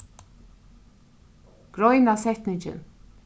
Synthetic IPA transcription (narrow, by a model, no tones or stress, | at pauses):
ɡ̥ɾɔjnasɛht̪nɪɲt͡ʃɪ̰n